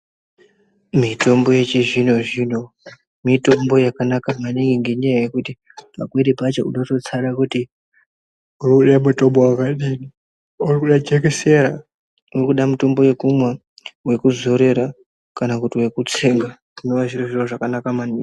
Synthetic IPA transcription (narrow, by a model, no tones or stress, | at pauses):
mito̞mbo̞je̞t͡ʃiʐino̞ʐino̞ | mito̞mbo̞jakanakamaniŋɡiŋɡe̞ɲajaje̞kuti | pakweɾipat͡ʃo̰unoto̞t͡saɾakuti | urikuɗamuto̞mbowakaɗiːni | urikuɗad͡ʒekese̞ɾa | urikuɗamuto̞mbo̞je̞kumwa | we̞kuzo̞ɾe̞ɾa | kanakutiwe̞kut͡se̞ŋɡa | uno̞ʋaʐiroʐiroʐakanakamaniːŋɡi